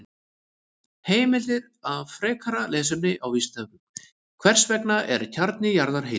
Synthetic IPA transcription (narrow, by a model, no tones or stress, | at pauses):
heːjmɪlɪɾ | avfɾɛːkʰaɾalɛːs̬ʏmnɪʔawvist̪aːvʏ | kʰvɛr̥svɛknaʔɛ̰ɾcʰaɾt̪nɪjaɾðaɾ̥ɦe